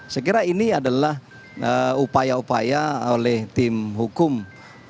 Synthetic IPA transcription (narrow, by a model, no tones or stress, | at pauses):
sək̬iɾainiadalah | əupajaupa̰jaolɛht̪ɪmɦukʊm